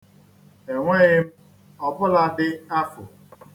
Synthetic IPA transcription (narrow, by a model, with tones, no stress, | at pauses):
e˨ŋʷe˦ɣɪ˦m̩˦ | ɔ˦bʊ˦la˦dɪ˦a˦fʊ̰˨